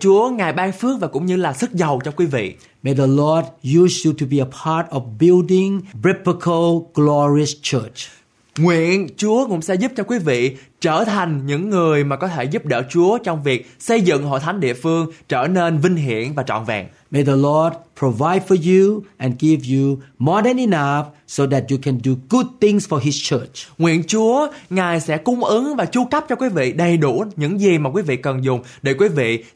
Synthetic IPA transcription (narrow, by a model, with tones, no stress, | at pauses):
t͡ɕu˨˦əŋaː˨˩jɓaː˧ŋfɨ˦˥ək̚vaː˨˩kʊ̰˧˥ŋ͡mɲɨ˧laː˨˩sɨ˦˥k̚zə˨˩wt͡ɕɔ˧kwi˨˦vḭ˧˨ | me˨ðəlɔd̚jusjutʰu˨bi˨əpʰaɹtɔ˨vbildɪ̃ŋbɹɪ˦pəkʰəlˠɡ̥lɔɹiəst͡ʃʰət͡ʃ | ŋwḭ˧˨ənt͡ɕu˨˦əkʊ̰˧˥ŋ͡msɛ̰˧˥zu˦˥p̚t͡ɕɔ˧kwi˨˦vḭ˧˨ | t͡ɕəː˧˩t̪ʰa˨˩jŋ̟ɲɨ̰˧˥ŋːɨ˨˩əjmaː˨˩kɔ˨˦t̪ʰe˧˩zu˦˥p̚ɗə̰ː˧˩t͡ɕu˨˦ət͡ɕɔ˧wŋ͡mvi˨˩ək̚sə˧jzɨ̰˧˨ŋɦo̰˧˨jt̪ʰa˨˦nɗḭ˧˨əfɨ˧əŋt͡ɕəː˧˩ne˧nvï˧ŋ̟ɦḭ˧˩ənvaː˨˩t͡ɕɔ̰˧˨nvɛ̰˧˨ŋ | me˨jðəlɔd̚pʰɹ̥o˨va˧jdfɔ˧ju˧ʔɛ̃˨nɡi˦vjumɔ˧dɛ̃˨ni˧na˧fso˧ðɛ˨t̚ju˨kʰɛ̃˨ndu˨ɡ̥u˦d̚θɪ̃˧ŋsfɔ˨ɦist͡ʃʰə˦˥t͡ʃŋwḭ˧˨ənt͡ɕu˨˦əŋaː˨˩jsɛ̰˧˥kʊ˨˦ŋ͡mʔɨ˨˦ŋvaː˨˩t͡ɕu˧ka˦˥p̚t͡ɕɔ˧kwi˨˦vḭ˧˨ɗə˨˩jɗu˧˩ɲɨ̰˧˥ŋzi˨˩maː˨˩kwi˨˦vḭ˧˨kə˨˩nzʊ˨˩ŋ͡m | ɗe˧˩kwi˨˦vḭ˧˨